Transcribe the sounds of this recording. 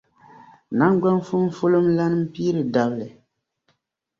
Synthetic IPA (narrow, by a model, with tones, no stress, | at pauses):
na˦ŋ˦ɡ͡ba˦n˦fu˦m˦fo˦lo˦mla˦nɨ˦m̩˦piː˦ɾɨ˨da˨blɨ˨